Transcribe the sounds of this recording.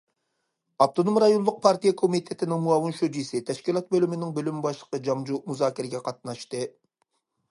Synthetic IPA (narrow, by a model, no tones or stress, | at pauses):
ɑft̪ʰonomɾɑjonlˠʊq̚pʰɑɾt̪ʰijɛkʰomit̪ʰet̪ʰɪnɪŋmuɑwɨnʃod͡ʒisɪt̪ʰɛʃkʲilˠɑt̪̚bølymɪnɪŋbølymbɑʃlˠə̥qəd͡ʒɑmd͡ʒumuzɑːkʲʰiɾɪɡʲɛqʰɑt̪̚nɑʃt̪ɨ